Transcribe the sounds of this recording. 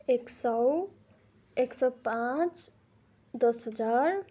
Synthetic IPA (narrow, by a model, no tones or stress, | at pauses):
eksʌw | eksʌwpãt͡s | d̪ʌsɦʌd͡zaɾ